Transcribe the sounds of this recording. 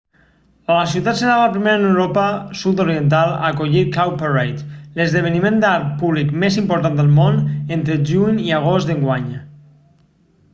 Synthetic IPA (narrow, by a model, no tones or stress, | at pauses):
aləsiuwt̪at̪sənaβapɾimeɾənewɾopəsut̪̬oɾiənt̪̬alˠa̰koʎikawpərejt̪ləzðəβ̞ənimẽnd̪aɾ̚puβlikmezimpoɾt̪and̪əlˠmonent̪ɾəʒuɲiaɣ̞ost̪d̪əŋɡwaɲ